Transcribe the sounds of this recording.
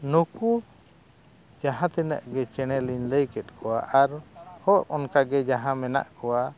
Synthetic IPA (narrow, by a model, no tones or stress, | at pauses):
nuku | d͡ʒaɦãt̪ɛnə̰ʔɡɛt͡ʃɛɽ̃ɛliɲləjkɛt̪̚ˀkʰɔwaʔaɾhɔʔɔnkaɡɛd͡ʒaɦãmɛna̰ʔkɔwa